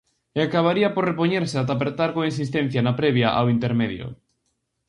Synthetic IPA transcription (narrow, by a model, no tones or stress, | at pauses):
eakaβ̞aɾiɐporepoɲeɾsɪat̪̬ap̬eɾt̪aɾkoinsis̬t̪ɛn̟θjanapɾɛβjaʔa̰wint̪eɾmeðjʊ̰